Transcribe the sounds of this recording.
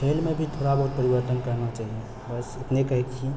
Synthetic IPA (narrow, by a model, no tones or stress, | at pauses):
elmebʱit̪ʰoɽabəɦut̪̚pəɾibəɾt̪ənkəɾnat͡ʃaɦie | bəset̪nekəɦɛkt͡ʃʰi